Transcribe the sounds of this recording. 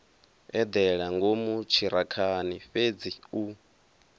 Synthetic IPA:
ɛd̪ɛɺaŋɡomut͡ʃʰiɾakʰaniɸed͡ziu

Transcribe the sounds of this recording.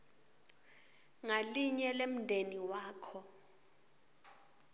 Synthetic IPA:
ŋaliɲɛlem̩ndʱeniwaːkʰɔ

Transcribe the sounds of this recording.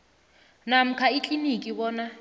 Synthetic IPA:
nam̩kʰait͡ɬʼinikʼiβɔːna

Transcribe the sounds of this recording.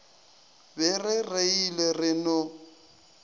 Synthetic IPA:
bɪrɪreilerɪnʊ

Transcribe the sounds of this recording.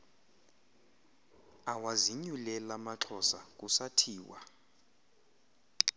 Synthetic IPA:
awaziɲulɛlamaǁʰɔsak̬ʼusatʰiːwa̰

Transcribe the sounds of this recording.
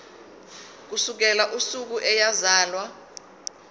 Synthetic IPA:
k̬usuk̬ɛlaʔusuk̬uʔɛjazaːlwa

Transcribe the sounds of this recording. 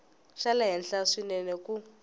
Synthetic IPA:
ʃalaɦɛnɬaʂinɛnɛku

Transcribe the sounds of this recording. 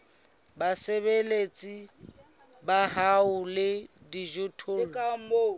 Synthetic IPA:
baseβelet͡sʼi | baɦaʊlɪdiʒʊtʰoːlkao

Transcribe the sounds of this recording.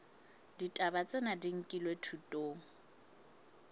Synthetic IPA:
ditʼabat͡sʼɛnadiŋ̩kʼilwetʰutʼoːŋ̩

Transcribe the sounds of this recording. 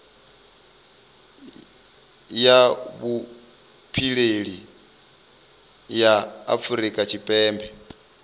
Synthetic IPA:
jaβu | pʰiɺeɺi | jaa̰fuɾikʼat͡ʃʰipʼɛːmbʱɛ

